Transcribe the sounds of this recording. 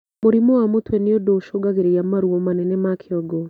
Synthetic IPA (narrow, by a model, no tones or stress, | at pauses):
moɾimowamotwɛneodoʃoɡaɣeɾejamaɾwɔmanɛnɛmakʰeɔɡɔ